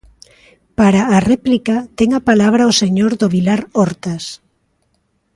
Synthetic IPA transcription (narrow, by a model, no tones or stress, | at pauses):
paɾaːrɛplikat̪eŋapalaβɾaoseɲoɾðoβilaɾoɾt̪as